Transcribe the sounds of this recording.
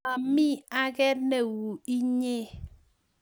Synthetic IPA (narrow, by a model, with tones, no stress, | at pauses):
a˨mi˦a˦ɡɛ˦tne˨wu˨i˦ɲe˦